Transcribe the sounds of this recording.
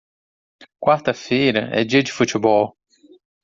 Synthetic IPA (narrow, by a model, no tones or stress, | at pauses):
kwaɾt̪ɐfeːɾɐʔɛ̰d͡ʒiɐd͡ʒifut̪bɔl